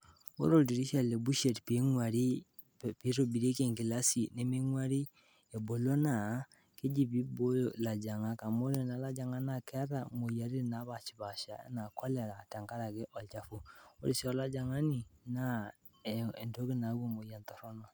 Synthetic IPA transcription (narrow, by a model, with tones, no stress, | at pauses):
o̰˦ɾo˨ldi˨ɾi˦ʃa˦˨le˨bu˦ʃe˨tpe˨˦ŋwa˨ɾi˦˨ | pi˦ɾo˦bi˨ɾe˦ke˨ŋki˨la˦si˨ne˦me˦ŋwa˦ɾi˦ | e˨bo˨lo˦na˨ | ke˦d͡ʒi˦bi˦bo˦o˨la˨d͡ʒa˨ŋa˦ka˨mo˦ɾe˦na˦la˦d͡ʒa˨ŋa˦na˦˨kɛ˦ɾa˦˨mo˨ja˨ɾi˦˨na˦βa˨t͡ʃi̥˨βa˨ʃa̰˨˦na˨kʰɔ˦lɛ˨ɾa˨ta˨ŋka˦ɾa˨ke˦ʔɔ˨lt͡ʃa˨fu˦o̰˦ɾi˨si˦ɔ˦la˦d͡ʒa˨ŋa˦ni˨na˦˨ | e˨ndo˦ke˦na˨˦ɣo˦˨mo˨ja˨ntɔ˨ɾɔ˦nɔ˨